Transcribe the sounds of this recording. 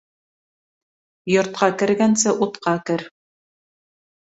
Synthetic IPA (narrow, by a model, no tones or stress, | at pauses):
jŏɾt̪̚qɑkɘ̆ɾɡænsɘʔut̪qɑkɘɾ